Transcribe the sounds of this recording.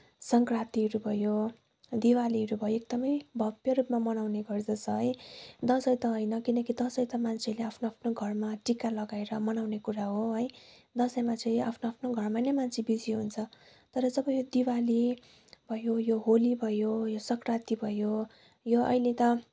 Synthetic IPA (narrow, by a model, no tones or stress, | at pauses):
sʌŋkrat̪iɾubʱʌjo | d̪iwaliʌɾubʱʌjoek̚d̪ʌmʌjbʱʌbjʌɾupmamʌnawneɡʌrd͡zʌsʰʌɦʌjd̪ʌsʌjt̪ʌɦojnʌkinʌkid̪ʌsʌjt̪ʌmant͡sʰeleapʰnoapʰnoɡʱʌrmaʈikalʌɡaeɾʌmʌnawnekuɾaɦoɦʌj | d̪ʌsʌjmat͡sʌĩapʰnoapʰnoɡʱʌrmanʌjmant͡sʰebid͡ziɦunt͡sʰʌ | t̪ʌɾʌd͡zʌbʌjod̪iwali | bʱʌjojoɦolibʱʌjojosʌkrat̪ibʱʌjo | joʌ̰jlet̪ʌ